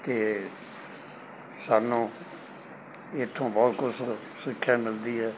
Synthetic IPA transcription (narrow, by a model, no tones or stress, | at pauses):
t̪eː | saːnːũː | ɪt̪ʰːõːbɔːt̪kʊs | sɪkʰːjãːmɪld̪iːɦɛː